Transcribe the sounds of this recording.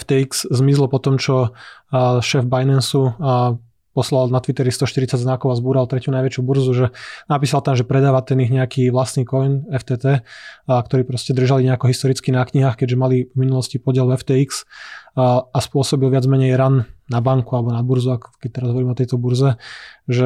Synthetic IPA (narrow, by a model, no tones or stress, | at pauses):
ft̪ɛikszmizlɔpɔt̪ɔmt͡ʃɔ | ʃɛːvbajnɛnsu | pɔslalnat̪ʋit̪ɛɾist̪ɔʃt̪iɾit͡saɟznakɔʊazbuːɾalˠt̪ɾɛcunajʋɛt͡ʃjubuɾzuʒɛnapiːsalt̪amʒɛpɾɛd̪aːʋat̪ɛniɣɲɛakiːʋlasniːkɔjnɛft̪ɛːt̪ɛːk̚t̪ɔɾiːpɾɔscɛd̪r̩ʒaliɲɛakɔɦist̪ɔɾit͡skinakɲiɦaːxkɛɟʒɛmalivminulɔscipɔɟɪɛlvɛft̪ɛːiks | aspʊɔsɔbilʋɪad͡zmɛɲɛjɾannabaŋkualɛbɔnabuɾzuakɔ̥kɛc̚t̪ɛɾazɦɔʋɔɾimɛɔt̪ɛjt̪ɔbuɾzɛʒɛ